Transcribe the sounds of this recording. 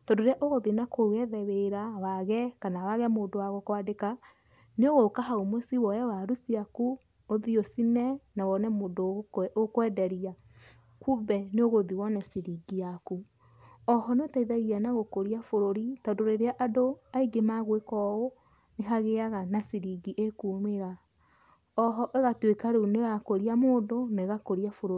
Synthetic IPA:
tɔdoeɾeaʔoɣoðinakoɣɛðɛweɾawaɣɛkanawaɣɛmoːndowaɣɔkwadeka | neoɣokaɦaomwɛsiwɔjɛwaɾusiaku | oðiosinɛnawɔnɛmoːdookwɛːdɛɾia | kubɛneoɣoðiwɔnɛsiɾiɡiaku | ɔɦɔnotaiðaɣiɛnaɣokoɾiafoɾoɾitadoɾeɾeaʔadoaiɡemaɣwekɔo | neɦaɣeaɣanasiɾiɡiʔekuːmeɾa | ɔɦɔʔeɣatwekaɾunejakoɾiamoːdoneɣakoɾiafoɾo

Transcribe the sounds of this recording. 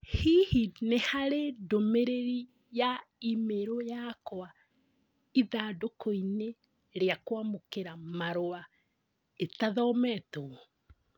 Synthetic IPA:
hihinehaɾedomeɾeɾi | jaimeɾojakwa | iðaːdokoine | ɾeakwamokeɾamaɾoa | etaðɔmɛto

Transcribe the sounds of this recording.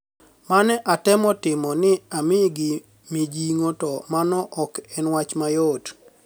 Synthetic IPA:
manɛʔatɛmɔtɪmɔnɪamɪɡɪ | mid͡ʒiŋotɔmanɔʔɔkɛnwat͡ʃmajot

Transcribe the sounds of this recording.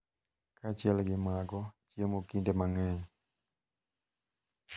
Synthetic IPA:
kat͡ʃɛlɡɪmaɡɔt͡ʃiemokindɛmaŋɛɲ

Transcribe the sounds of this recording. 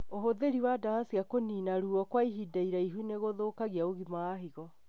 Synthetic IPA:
oɦoðeɾiwadaasiakoniːnaɾuːɔkwaiɦidaiɾaiɦuneɣoðoːkaɣiaoɣimaːɦiɣɔ

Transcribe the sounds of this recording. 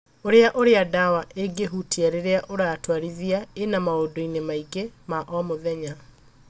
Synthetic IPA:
oɾeaʔoɾeadawaʔeɡeɦutʰiaɾeɾeaʔoɾatwaɾiðiaenamaodoinemaiɡemaʔɔmoðɛɲa

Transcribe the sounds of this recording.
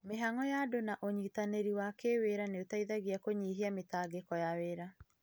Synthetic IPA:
meɦaŋɔjadonaʔoɲiːtaneɾiwakeweɾaneotaiðaɣiakoɲiɦiametaːɡekɔjaweɾa

